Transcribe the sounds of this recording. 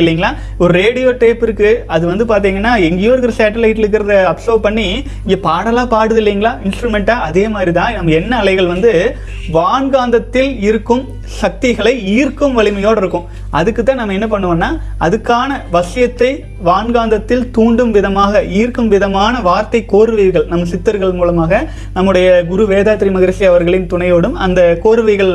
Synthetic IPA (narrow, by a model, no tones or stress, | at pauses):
ɪlːiːŋɡɐɭaː | ɔɾɯɾeːɽɪjoːʈeːpɪɾɯkːɯɐðɯʋɐnd̪ɯpaːɾt̪̬iːŋɡɐnːaːɛŋɡejoːɾɯkɪɾɐsaːʈːɐlɐɪʈːɪlɯkːɪɾɐðɐɐpsoːpɐɳːi | ɪŋɡepaːɽɐlãːpaːɽɯðɪlːiːŋɡɐɭaːɪnsʈɾɯmɛɳʈaːɐðeːmaːd̪ɾit̪ãːnɐmːɐɛnːɐɐlɐɪɣɐɭʋɐnd̪ɯ | ʋaːnɡaːnd̪ɐt̪ːɪlɪɾɯkːɯm | sɐk̚t̪ɪɣɐɭɐɪiːɾkɯmʋɐɭɪmɐjoːɽɪɾɯkːʊ̃m | ʔɐðɯkːɯt̪ːãːnɐmːɐɛnːɐp̬ɐɳːɯʋɐːnːaː | ʔɐðɯkːaːnɐʋɐsɪjɐt̪ːɐɪ | ʋaːnɡaːnd̪ɐt̪ːɪlt̪uːɳɖɯmʋɪðɐmaːɣɐiːɾkɯmʋɪðɐmaːnɐʋaːɾt̪ɐɪkːoːɾɯʋɐɣɐɭnɐmːɐsɪt̪ːɐɾɣɐɭmuːlɐmaːɣɐ | nɐmːɯɽɐjɐɡʊɾuʋeːðaːt̪ːɪɾimɐɣɐɾʂiɐʋɐɾɣɐɭɪnt̪ʊɳɐjoːɽɯmɐnd̪ɐkoːɾɯʋɐɪɣɐɭ